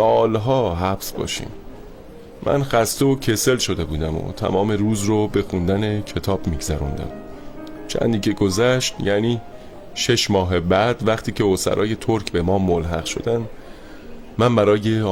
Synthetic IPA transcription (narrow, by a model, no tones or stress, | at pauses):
sɒːlɦɒːɦæbsbɒ̰ːʃḭːmː | ʔæ̰nxæst̪eocʰe̞se̞lʃo̞d̪e̞buːd̪æmo̰t̪ʰæ̰mɒːme̞ruːzrobe̞xund̪æne̞cʰe̞t̪ʰɒːb̥miːɡzæɾṵnd̪æ̰m | t͡ʃʰæ̰nd̪iːcʰe̞ɡozæʃt̪jæniː | ʃe̞ʃmɒːɦebæd̪væχt̪ʰiːcʰe̞osæ̰ɾʔɒ̰ːje̞t̪ʰoɾcʰbe̞mɒːmolɦæ̰ɣʃo̞̰d̪ænd̪ | mænbæɾɒːje̞